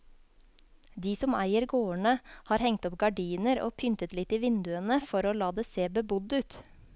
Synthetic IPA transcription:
d̪iːsɔmæ̰ɪəɾɡoːəɳəhɑːɾhɛŋt̪ɔpɡɑɖiːnəɾo̰ːpʰʏnt̪ət̪lɪt̪iːʋɪnd̪ʉənəfɔɾoːlɑːd̪eːseːbəbʊd̪ʉːt̪

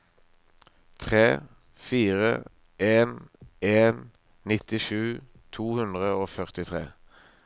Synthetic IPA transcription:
t̪ʰʁeː | fiːʁə̰ | ʔeːneːn | nɪt̪ɪʃʉː | t̪ʰuːhʉnd̪ʁəoːfœʁt̪ɪt̪ʰʁḛː

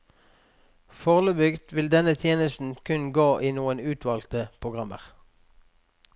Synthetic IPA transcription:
fɔʁləbʏɡd̪ʋɪld̪ɛnət̪ʰjeːnəst̪n̩kʰʉnɡoːʔiːnuːənʉːt̪ʰʋɑːlt̪əpʰʊɡʁɑmə̰ʁ

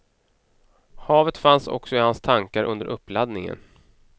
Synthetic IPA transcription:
hɑːvət̪fansɔ̰ksɔɪhanst̪ʰaŋkaɾʔɵ̰nd̪əɾʔɵpːlad̪nɪŋə̰n

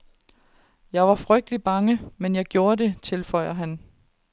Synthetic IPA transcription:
jɑ̈ɪʋɑ̈fʁœɡ̥̚d̥əlib̥ɑ̈ŋəmenjɑ̈ɪɡ̥jo̝ːɐde̝t͡sʰe̝lfɒ̽ɪ̰ɐɦæn

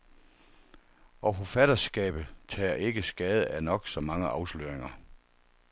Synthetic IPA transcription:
ɒ̽fofæd̥ɐsɡ̥ɛ̰ːb̥ð̩ˠt͡sʰɛ̰ːɐʔe̝ɡ̥əsɡ̥ɛːð̞̩ˠænɒ̽ɡ̥sɒ̽mɑ̈ŋəʔɑ̈ʊslø̰ɐ̰eŋɐ

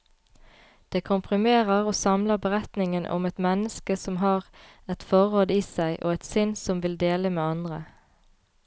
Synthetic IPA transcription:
d̪̥eːkʰʊmpʰʁɪmeːʁəʁoːsɑmləʁbəʁɛt̪nɪŋənʔʊ̰mɛt̪mɛnəskəsɔmɦɑːʁ | ɛt̪fɔʁoːd̪əiːsæɪʔo̰ːɛt̪sʏnsɔmʋɪld̪eːləmeːɑnd̪ʁə̰

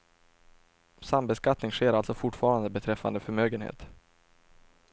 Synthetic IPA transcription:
sambɛskat̪nɪŋɧeːɾalt̪sɔfʊʈfɑːɾand̪əbɛt̪ʰɾɛfːa̰nd̪əfœɾmøːɡənhḛːt̪

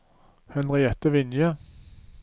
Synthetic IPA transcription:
hɛnʁɪɛt̪əʋɪnjə

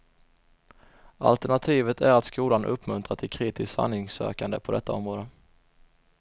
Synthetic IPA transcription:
a̰lt̪əɳat̪ʰiːvət̪ʰæɾat̪skuːlanʔɵpːmɵnt̪ɾat̪ʰɪkʰɾiːt̪ɪst̪sa̰nːɪŋsø̰ːkand̪əpʰɔd̪ɛt̪ːaɔmɾoːd̪ə

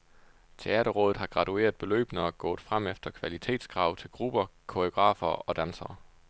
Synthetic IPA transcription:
t͡sʰe̝æːɾ̥ɐʁɔ̽ːð̩ˠɦɑ̈ɡ̥ʁɑ̈t͡sue̝̰ːɐð̩ˠb̥e̝lø̰ːb̥nəɡ̥ɔ̰ːð̩ˠfʁam̰efd̥ɐkʰʋælit͡sʰe̝̰ːd̥sɡ̥ʁɑ̈ʊt͡sʰe̝lɡ̥ʁub̥ɐkʰoioɡ̥ʁɑ̰̈ːfɐːɒ̽d̥ænsɐː

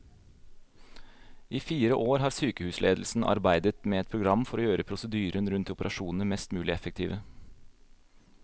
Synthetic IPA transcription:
ʔiːfiːɾəʔoːɾɦɑːɾsyːkəhʉːslʔḛːd̪l̩sn̩ʔɑ̰ɾbæɪd̪ət̪meːɛt̪̚pʰɾʊɡɾɑmːfɔɾoːjøːɾəpʰɾʊsəd̪yːɾənɾʉnt̪ʊpəɾʔɑʃuːnnəɾmɛst̪mʉːlɪɛfək̚t̪ʰḭːʋə

